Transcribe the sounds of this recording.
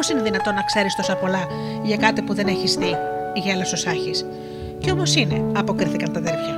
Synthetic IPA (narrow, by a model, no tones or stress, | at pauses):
osine̞ðinɐt̪o̞nːɐkse̞ɾist̪o̞sɐpo̞lɐ | ʝɐkɐt̪ipuðe̞ne̞çisθiʝɐelososɐçis | ceo̞mo̞sine̞ɐpo̞kɾiθikɐnt̪ɐðefçɐ